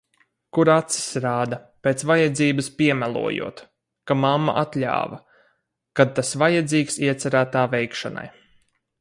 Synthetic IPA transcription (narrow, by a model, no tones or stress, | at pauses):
kuɾat̪si̥sɾaːd̪a | peːt̪svajad̪ziːbɨspiɛmælˠṵɔjṵɔt̪ | kamamːa̰ʔat̪lʲa̰ːvɐ | kad̪̚t̪asvajad̪ziːksiɛt̪sæɾæːt̪aːvɛjkʃana̰j